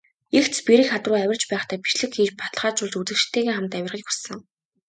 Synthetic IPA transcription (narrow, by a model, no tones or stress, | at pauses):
ext͡ɕ̪spiɾɘ̆kχat̪rʊːæwʲɪ̆r̥t͡ɕpæːχt̪ʰæːpi̥ʃɮɘ̆kxiːt͡ɕpḁt̪ɮχaːt͡ɕʊɮt͡ɕut͡sɘ̆kʃt̪ʰːeːɣeːχamt̪æwʲɪrʁiːkusɘ̆ŋ